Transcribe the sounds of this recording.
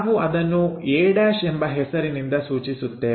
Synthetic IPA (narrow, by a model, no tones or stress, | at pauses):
ʋuɐd̪ɐnːuɛːɽaːʃembɐɦɛsɐɾinind̪ɐsuːt͡ʃisut̪ːe